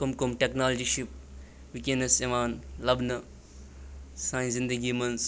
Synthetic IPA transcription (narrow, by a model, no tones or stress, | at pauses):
kumkumʈeknaːld͡ʒiʃip̚ | ʋikenɐseʋaːnlɐbnɐ | saːjnszind̪ɐɡimɐns